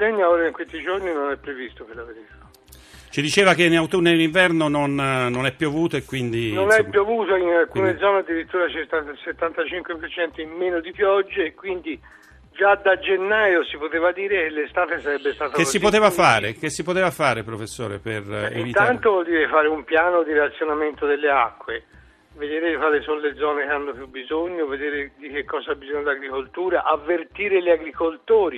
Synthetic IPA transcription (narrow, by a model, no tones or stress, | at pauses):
d̪ɛɲːaoːɾaiŋkwest̪id͡ʒorninonɛpːɾevist̪opelaveɾit̪ḁ | t͡ʃid̪it͡ʃeːvak̟enawt̪unːed̪eliɱvɛrnononnonɛpːjuavuːt̪oekːwind̪inonɛpːjuavuːt̪oinalkuːned̪zɔːnead̪ːiɾit̪ːuːɾat͡ʃet̪aset̪ːant̪at͡ʃiŋkwepert͡ʃɛnt̪oimmeːnod̪ipjɔd͡ʒːeːkwind̪i | d͡ʒad̪ad͡ʒenːaːjosipot̪eːvad̪iːɾekelːest̪aːt̪esaɾɛbːest̪aːt̪akesːipot̪eːvafaːɾek̟esːipot̪eːvafaːɾepɾofesːo̰ːɾḛpereinvit̪ant̪ovɔld̪iːɾefaːɾeumpjaːnod̪iɾat̪sːjonament̪od̪elːeakːwe | ved̪eːɾed̪ikwaːlesonoled̪zːɔːnekeanːopjubːizoɲːoved̪eːɾed̪ik̟ekːɔːzaabːizoɲːod̪iaɡɾikolt̪uːɾaʔavːert̪iːɾeleaɡɾikolt̪oːɾi